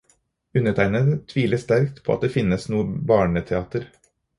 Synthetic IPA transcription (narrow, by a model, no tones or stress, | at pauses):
ʉnəʈ̪ʰæɪnət̪ʰʋiːləst̪æɾkt̪pʰoːɑ̰d̪eːfɪnəsnuːəbɑːɳət̪ʰɛɑːt̪əɾ